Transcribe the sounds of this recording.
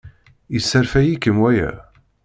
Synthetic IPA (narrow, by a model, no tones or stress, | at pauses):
isːæɾfæjikːəmwæjæ̰